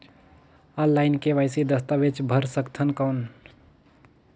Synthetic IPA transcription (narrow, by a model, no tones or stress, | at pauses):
ɔ̃ːllːaːɪnkeʋaːɪsid̪əst̪aʋet͡ʃbʱəɾsəkt̪ʰənkəʊn